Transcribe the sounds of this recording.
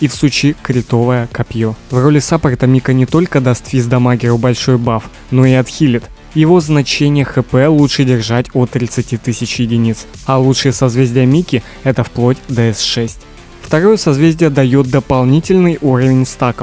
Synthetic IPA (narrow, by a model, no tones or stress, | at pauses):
ifsut͡ɕikɾʲɪt̪o̞vəjəkɐpʲjovro̞lʲɪsapəɾɪt̪ɐmʲikənʲɪt̪o̞lʲkəd̪ɐst̪fʲizd̪ɐmaɡʲɪɾʊbɐlʲʂo̞jbaf | no̞ɪɐt̪xʲilʲɪt̪ | jɪvo̞znɐt͡ɕenʲɪjəxɨpɛlˠutʂɨdʲɪrʐatʲot̪ːɾʲɪt̪sɨtʲit̪ɨsʲɪt͡ɕjɪdʲɪnʲit̪sɐlˠutʂɨjəsɐzvʲezʲdʲɪjəmʲikʲɪ | ɛt̪əfplˠo̞tʲd̪əɛsʂɛsʲtʲ | ft̪ɐɾojəsɐzvʲezʲdʲɪjəd̪ɐjot̪̚d̪əpɐlˠnʲitʲɪlʲnɨjʔuɾəvʲɪnʲst̪akə